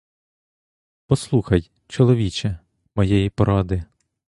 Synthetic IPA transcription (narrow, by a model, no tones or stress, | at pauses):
pɔslˠuxɐj | t͡ʃɔlˠɔʋʲit͡ʃɛ | mɔjɛjipɔɾɑd̪ɪ